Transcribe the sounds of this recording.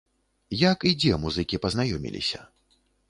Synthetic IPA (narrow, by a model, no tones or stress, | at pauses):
jakid͡zʲɛmuzɨkʲipɐznajɔmʲḭlʲḭsʲɐ̰